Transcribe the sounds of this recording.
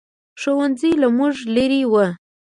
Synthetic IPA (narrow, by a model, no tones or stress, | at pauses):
ʂowanzilamuʐlaɾiwə